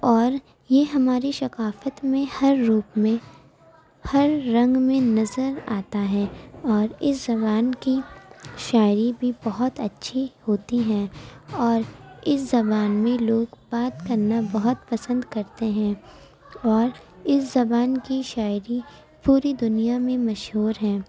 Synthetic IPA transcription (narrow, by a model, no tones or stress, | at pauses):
ɔːɾ | jeɦɐmaːɾiʃɐkaːfət̪mẽhɐɾːuːpmẽ | hɐɾːɐ̃ŋɡmẽnɐzəɾaːt̪aɦɛːɔːɾɪszɐbaːnkiʃaːɪɾibʱibɐɦʊt̪ɐtːʃʰihoːt̪iɦɛ̃ːɔːɾɪszɐbaːnmẽloːɡbaːt̪kɐɾnabɐɦʊt̪pɐsə̃nd̪kɐɾt̪eɦɛ̃ | ɔːɾɪszɐbaːnkiʃaːɪɾi | puːɾid̪ʊnijamẽmɐʃɦuːɾɦɛ̃ː